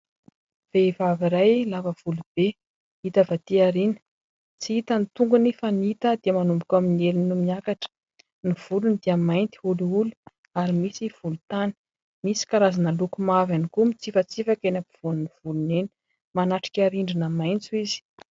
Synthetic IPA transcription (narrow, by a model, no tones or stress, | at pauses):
v̥evaviɾajlavəv̥ulub̥e | it̪əvat̪iaɾinə̥ | t͡siit̪ənit̪uŋɡunefəniit̪əd̪iəmanumbikʲaminielinumiakaʈ͡ʂə̥ | niv̥ulunid̪iəmajnt̪i̥ululu̥ | aɾimisiv̥ulut̪ani̥ | misi̥kaɾazanəlukumavanikumit͡sifət͡sifakʲenapiv̥unniv̥uluneni̥ | manaʈ͡ʂi̥kʲaɾiɳɖ͡ʐinamajnt͡suizi̥